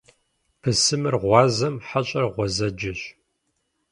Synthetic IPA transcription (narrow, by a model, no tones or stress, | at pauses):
pʰɨsɨmɨrʁʷɑːzɐmħaɕʼɐrʁʷɔzɐd͡ʒɪɕ